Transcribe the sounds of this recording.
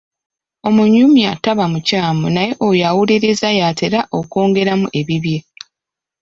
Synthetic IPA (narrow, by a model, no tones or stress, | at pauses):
o̞muɲːumjataβamucaːmonaje̞ʔojawuliɾezajaːtʰe̞ɾaʔoko̞ːŋɡe̞ɾamuʔe̞βiβje̞